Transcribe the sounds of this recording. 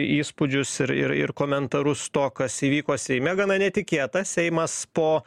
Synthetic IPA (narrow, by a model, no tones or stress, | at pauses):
iːspʊd͡ʒʲʊsɪɾɪ̰ɾɪ̰rkoːmʲɛnt̪ɐɾʊst̪oːkɐsiːʋʲiːkoːsʲɛɪmʲɛɡɐnɐnʲɛt̪ʲɪkʲeːt̪ɐsʲɛɪmɐspoː